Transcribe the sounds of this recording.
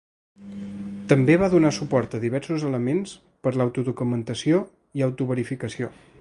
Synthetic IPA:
t̪əmbeβaðunasupɔɾt̪əðiβɛɾsuzələmens | pəɾlawt̪uðukumənt̪əsio | iawt̪uβəɾifikəsio

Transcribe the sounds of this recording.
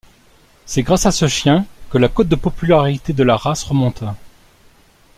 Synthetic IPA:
sɛɡʁasasəʃjɛ̃kəlakot̪̚d̪əpɔpylaʁit̪ed̪əlaʁasʁəmɔ̃t̪ʰa

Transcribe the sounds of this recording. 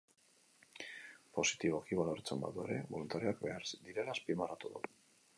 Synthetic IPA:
po̞sit̪iβo̞kiβaloɾt͡semba̰ðue̞̰ɾe̞βo̞lunt̪aɾioakbeaɾd̪iɾe̞laːspimarat̪uðu

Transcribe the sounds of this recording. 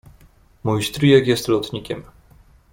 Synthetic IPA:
mujst̪ɾijɛkjɛst̪lɔt̪ɲikʲɛm

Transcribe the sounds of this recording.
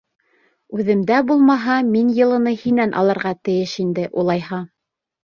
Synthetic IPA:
ʉðɘ̆md̪æbulˠmɑɦɑminjɤ̆lˠɤ̆nɤhinænʔɑ̰lˠɤ̆ɾʁɑt̪ɘ̆jɘʃind̪ɘʔulˠɑjhɑ

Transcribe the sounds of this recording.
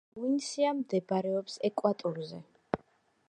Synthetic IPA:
winsiamd̪ɛbɾɛɔpsɛkʼwat̪ʼɔɾzɛ

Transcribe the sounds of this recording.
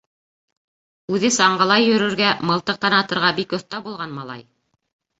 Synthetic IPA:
ʉðɘsɑɴɢɤ̆lˠɑjɵ̆ɾɵ̆ɾɡæmɤ̆lˠt̪ɤq̚t̪ɑnɑt̪ɤ̆ɾʁɑbikŏθt̪ɑbulˠʁɑnmɑlˠɑ̰j

